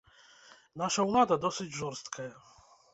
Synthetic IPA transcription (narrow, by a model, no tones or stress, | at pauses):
naʂawlˠad̪ad̪ɔsɨd͡ʑʐɔɾst̪kʰajɛ